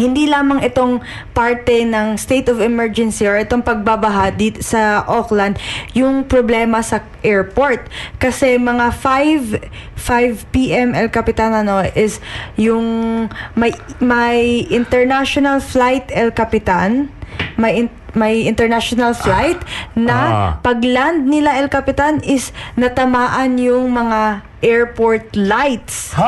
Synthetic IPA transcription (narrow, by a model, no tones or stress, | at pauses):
hɪnd̪ilaːmɐŋɛt̪o̞ŋ | paɹt̪ɛnɐŋst̪ejt̪ɔvɛmɛɹd͡ʒɛnsioʔɛt̪oŋpɐɡ̚babɐɦad̪it̪sɐʔoklɐnd̪̚jʊŋpɾoblɛːmɐsɐ | ʔɛɹpoɹt̪̚kɐsɛmɐŋafajv | fajvpiʔɛmʔɛlkɐpɪt̪anɐno̞ʔɪsjʊŋmɐjmɐjʔɪnt̪ɛɹnaʃonɐlflajt̪ɛlkɐpɪt̪anmɐjʔɪ | mɐjɪnt̪ɛɹnaʃonalflajt̪nɐpɐɡland̪̚nɪlaʔɛlkɐpɪt̪anɪsnɐt̪ɐmaːʔɐnjʊŋmɐŋa | ʔɛɹpoɹt̪lajt̪s